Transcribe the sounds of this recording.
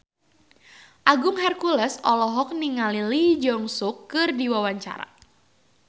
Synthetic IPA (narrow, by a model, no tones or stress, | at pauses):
ʔaɡʊŋɦɛrkulɛsɔlɔɦɔk̚niŋalilid͡ʒɔŋsʊkːɨrdiwawaɲt͡ʃa̰ɾa̰